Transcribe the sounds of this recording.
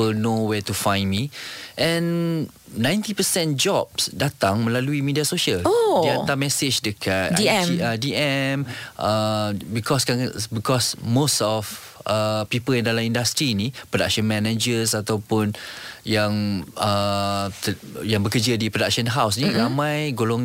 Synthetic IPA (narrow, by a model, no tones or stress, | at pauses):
ənowɛt̪ufãjnmiʔɛ̃n | nãjnt̪ipəsɛ̃nd͡ʒɔp̚sdat̪aŋmə̃laluimidiasoʃiəlodiãt̪amɛsed͡ʒdəkʰat̪iadiɛməbikɔskãbikɔsmosɔf | əpipəljãŋdalamĩndast̪ɾinipɾoda̰k̚ʃə̃nmɛ̃nad͡ʒəsat̪awpʊnjãŋət̪əjãŋbəkəd͡ʒədipɾodak̚ʃə̃nɦaws̬nĩɾamãjɡolɔŋ